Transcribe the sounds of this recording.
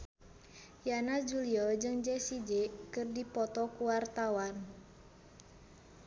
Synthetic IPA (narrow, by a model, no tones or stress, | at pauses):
janasd͡ʒuliɔd͡ʒɨŋd͡ʒɛsid͡ʒɛkɨrdipɔt̪ɔkuwart̪awan